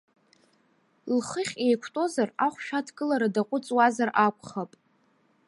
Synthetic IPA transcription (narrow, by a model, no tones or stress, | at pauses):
lχəχʲe̞jkʷʰtʼo̞zaraχʷʃᶣatʰɡɨlaɾadaqʷʼʊt͡sʼwazarʔakʷʰʼχapʼ